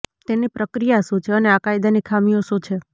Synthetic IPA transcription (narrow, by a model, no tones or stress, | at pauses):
t̪enipɾəkɾijaʃũt͡ʃʰeəneakajd̪anikʰamijoʃũt͡ʃʰe